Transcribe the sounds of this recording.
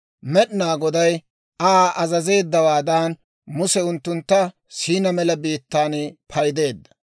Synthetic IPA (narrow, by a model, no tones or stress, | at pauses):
mɛɗɪnaːɡɔd̪ɐj | aʔɐzɐze̞ːd̪ːɐwaːd̪aːn | mʊsɛʊnt̪ːʊnt̪ːɐ | siːnɐmɛlɐbiːt̪ːaːnpʰɐjd̪e̞ːd̪ːɐ̥